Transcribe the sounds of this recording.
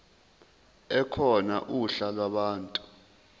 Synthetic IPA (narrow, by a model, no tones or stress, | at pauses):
ɛkʰɔnaʔuɬalwaɓaːntʼu